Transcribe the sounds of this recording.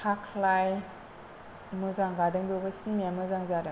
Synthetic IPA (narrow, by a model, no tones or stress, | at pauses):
tʰakʰlaj | mɯzaŋɡadɯŋbɔɡɯsnimamɯzaŋzadɯ